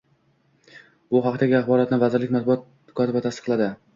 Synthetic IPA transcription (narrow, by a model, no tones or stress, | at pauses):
b̥ʊɦɑqt̪aɡʲaaχbɒɾat̪nɪvazɪɾlɪkʲmat̪̚bʊɑt̪̚ | kʰɒt̪ɪbat̪ʰast̪ɨ̥qlˠad̪ɪ